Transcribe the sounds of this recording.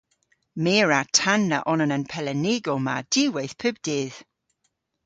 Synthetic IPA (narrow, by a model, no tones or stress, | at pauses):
meːɹatʰanːə̰ʔɔnənənpʰɛlɛnɪɡɔmad̥ɪwejθpʰʉbd̥ɪːð̥